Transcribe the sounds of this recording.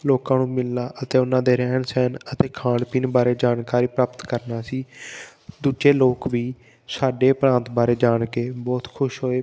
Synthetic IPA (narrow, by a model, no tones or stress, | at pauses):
loːkãːnũːmɪlnaːʔət̪eːʊnãːd̪eːɾɛːnsɛːnət̪eːkʰãːɳɖpiːnbaːɾeːd͡ʒaːnkaːɾiːpɾaːpət̪kəɾnaːsiː | d̪uːd͡ʒeːloːkʋiː | saːɖeːpɾãːnt̪baːɾeːd͡ʒaːɽkeːbɔːt̪kʰʊʃɦoːeː